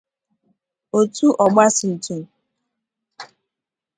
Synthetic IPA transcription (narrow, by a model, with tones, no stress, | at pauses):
o˨tu˦ʔɔ˨ɡ͡ba˦sɪ˨n̩˨tu˨m˨